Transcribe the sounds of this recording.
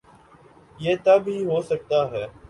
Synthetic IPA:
jeːt̪əbʱɦiːɦoːsək̚t̪aːɦɛː

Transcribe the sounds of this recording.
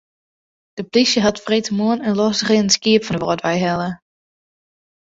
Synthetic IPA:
d̥əplisjəɦatfretʰəmuənənlɔsəχɪənənskiəpfɔndəʋɔ̰ːtʋɛjɦɛlˠə

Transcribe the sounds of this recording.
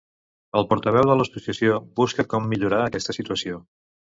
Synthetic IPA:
əlˠpɔɾt̪əβɛwðələsusiəsjobuskəkɔmːiʎuɾaəkɛst̪əsit̪uəsio

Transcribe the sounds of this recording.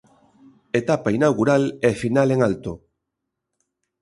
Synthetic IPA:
et̪apainawɣuɾalefinaleŋalt̪o

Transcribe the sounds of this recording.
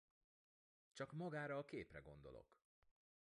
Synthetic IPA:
t͡ʃɒkmɒɡaːɾɒːkeːprɛɡo̞̰nd̪o̞̰lo̰k

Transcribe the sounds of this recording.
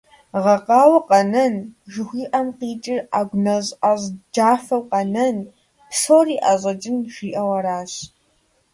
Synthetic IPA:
ʁɐqɑːwɐqɐnɐnʒɨxʷiːʔɐmqiːt͡ʃʼɪraːɡʷnɐʑʔaʑd͡ʒaːfɐwqɐnɐn | soːriːʔaʑɐt͡ʃʼɪnʒʷiːʔɐwɐɾaːɕ

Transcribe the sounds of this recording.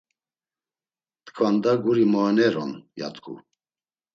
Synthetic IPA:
t̪kʰvand̪aɡuɾimɔnɛɾɔ̰nja̰t̪ɡʰʼṵ

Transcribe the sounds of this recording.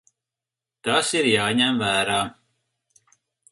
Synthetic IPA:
t̪asiɾjaːɲæmvæːɾaː

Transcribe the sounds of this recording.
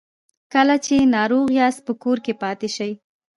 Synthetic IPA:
kəlat͡ʃenɑɾoɣjɑs̚pəkoɾkepɑt̪eʃəj

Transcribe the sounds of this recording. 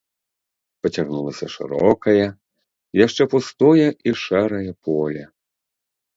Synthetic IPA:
pɐt͡sʲaɣnulˠɐsʲɐʂɨ̰ɾɔkɐjɐ | jaʂt͡ʂɛpust̪ɔjɐʔiʂɛɾɐjɐpʰɔlʲɐ

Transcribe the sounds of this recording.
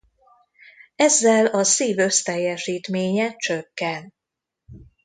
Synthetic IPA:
ɛzːɛlɒsiːvø̞st̪ɛjːɛʃiːt̪meːɲɛt͡ʃøkːɛn

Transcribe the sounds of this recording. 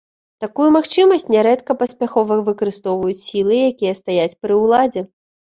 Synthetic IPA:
t̪akujumaxt͡ʂɨmɐsʲt͡sʲnʲɛɾɛt̪kɐpɐsʲpʲaxɔvɨvɨkɐɾɨst̪ɔwvɐjut͡sʲsʲilˠɨjakʲijɐst̪ajat͡sʲpɾɨwlˠad͡zʲɛ

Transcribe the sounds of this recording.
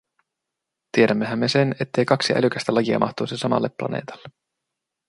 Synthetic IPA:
t̪ie̞ɾæmːe̞ɦæmːe̞se̞ne̞t̪ːe̞jkɑksiʔæ̰lyk̟æst̪ælɑjiɑ̰mɑ̰ht̪oːsisɑmɑ̰lːepːlɑ̰ne̞̰ːt̪ɑ̥lːe

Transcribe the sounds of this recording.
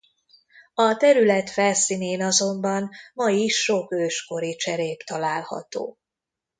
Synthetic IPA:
ɒt̪ɛɾylɛt̪fɛlsiːneːnɒzo̞mbɒnmɒjiʃːo̞køːʃko̞ɾit͡ʃɛɾeːpt̪ɒlaːlhɒ̰t̪o̰ː

